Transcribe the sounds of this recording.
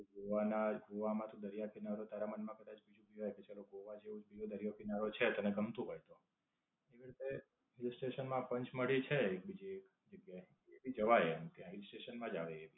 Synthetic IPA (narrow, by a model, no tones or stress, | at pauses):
ɡoʋanaɡʱoʋamãt̪ʰũd̪əɾijakʰinaɾot̪aɾamənmãkəd̪at͡ʃbid͡ʒʱũbiajket͡ʃaloɡoʋad͡ʒeũd͡ʒbid͡ʒod̪əɾijakʰinaɾot͡ʃʰet̪əneɡʱəmt̪ũɦɔjt̪o | eʋiɾit̪ʰe | ɦilsʈeʃənmãpəɲt͡ʃməɽit͡ʃʰeek̚bid͡ʒiek | d͡ʒəɡjae | ebid͡ʒəʋajemt̪jãɦɪlsʈeʃənmãd͡ʒaʋeːʋi